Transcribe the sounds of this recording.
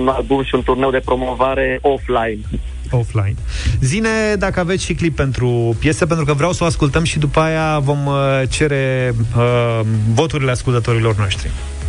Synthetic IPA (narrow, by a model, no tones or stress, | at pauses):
nalbumʃiunt̪urnewd̪e̞pɾo̞mo̞vaɾe̞ʔoflajin | ofla̰jinzine̞d̪akəavet̪ʲʃiklipːe̞nt̪ɾupje̞sepent̪ɾukəvɾeawsəoaskult̪əmʃid̪upəajavo̞mt͡ʃe̞ɾe̞ | vo̞t̪uɾile̞askult̪ət̪o̞ɾilo̞rnoʃt̪ɾḭ